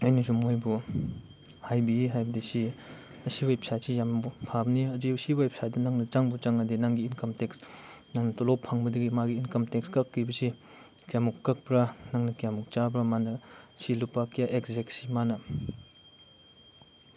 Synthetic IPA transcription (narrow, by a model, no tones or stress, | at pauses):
ɐjnisumojbu | hajbiɦajbɐdisi | ɐsiwajpsajsijambupʰabniɐdiɐsiwajpʰsajdɐnaŋnɐt͡ʃaŋbut͡ʃaŋɐdinaŋɡiːnkɐmteksnaŋnɐtɔlopʰːaŋbɐdɐɡimaɡiːnkɐmtekskɐkːibɐsi | kijamukːɐk̚pɾanaŋnɐkijamuk̚t͡ʃabɾamanɐsilupakijaʔekzeksimanɐ